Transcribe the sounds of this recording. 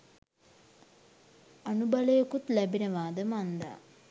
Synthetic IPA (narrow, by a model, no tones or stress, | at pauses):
ɐnubɐlejokut̪læbinəʋaːd̪əmand̪a̰ː